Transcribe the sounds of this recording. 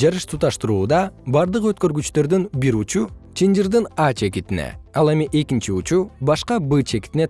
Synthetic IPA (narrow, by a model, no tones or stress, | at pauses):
d͡ʒɑɾɯʃt̪ʰut̪ɑʃt̪uɾuːd̪ɑbɑɾd̪ɯqøt̪̚kø̞ɾɡyt͡ʃt̪ø̞ɾd̪ynbiɾut͡ʃut͡ʃʰind͡ʒiɾd̪ɯnɑt͡ʃe̞kit̪ine̞̰ɑlˠe̞miʔe̞kint͡ʃiut͡ʃubɑʃqɑbɨt͡ʃʰe̞ki̥t̪ine̞